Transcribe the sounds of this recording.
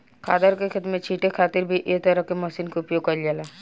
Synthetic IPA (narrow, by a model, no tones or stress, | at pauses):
kʰaːd̪əɾkekʰɪt̪mẽt͡ʃʰiːʈekʰaːt̪ɪɾbʱiʔeːk̚t̪ɐɾəɦkemɐsiːnkeʊpjoːɡ̚kːɐɾd͡ʒalaː